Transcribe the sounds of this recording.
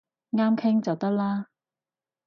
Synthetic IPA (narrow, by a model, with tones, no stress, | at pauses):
ŋaː˥mkʰɪ˥ŋt͡sɐ˨wt̪ɐ˥k̚laː˥